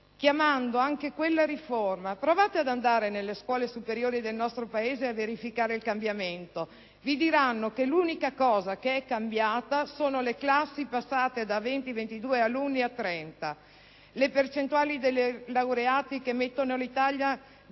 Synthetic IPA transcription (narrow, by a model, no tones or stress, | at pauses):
k̟jamand̪oaŋkekwelːaɾiformapɾovaːt̪ead̪and̪aːɾenelːeskwɔːlesupeɾjoːɾid̪elnɔst̪ɾopaeːzeaveɾifikaːɾeilkambjament̪o | vid̪iɾanːokeluːnikakɔːzakeɛkːambjaːt̪asoːnoleklasːipasːaːt̪ed̪avent̪ivent̪id̪uːealunːiat̪ːɾɛnt̪a | lepert͡ʃent̪uaːlid̪elːelawɾeaːt̪ikemːet̪ːonolit̪aʎja